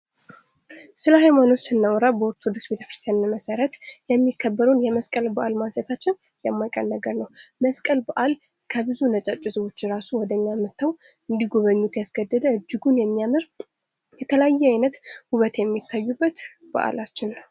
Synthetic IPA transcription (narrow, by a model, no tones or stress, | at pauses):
sɨləɦajmano̞t͡ʃːsɨnːəwɔɾəbəɔɾt̪ʰod̪usbet̪ʰəfɨɾt̪ʰənːaməsəɾət̪jɛmːikʰːəbːəɾəwnjɛməskʼəlbəʔalmazət̪ʰat͡ʃːɪnjɛmːajkʼə̰ɾnəɡəɾnəwməskʼəlbəʔal | kʰəbɨzunət͡ʃʼat͡ʃʼisɨwo̞t͡ʃːɾasuwɔd̪əɲːamːɨt̪ːəwɨnd̪iɡoβəɲːut̪jasɡəd̪ːəd̪əɨd͡ʒːɪɡunjɛmːijamɨɾ | jɛt̪ʰələjajːɛajnət̪huβət̪jɛmːit̪ʰːajːubːət̪ | b̥ə̰ʔa̰lat͡ʃːɪnː